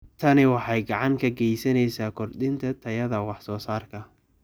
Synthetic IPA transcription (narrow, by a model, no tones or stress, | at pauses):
t̪ʰɐnɪwɑħɑjɡɑʕɑŋkʰɐɡɛjsɐnɛjsaːkʰʊrd̪ɪnt̪ʰɐt̪ʰɐjɐðɐwɑħsɔːsaːrkʰɐ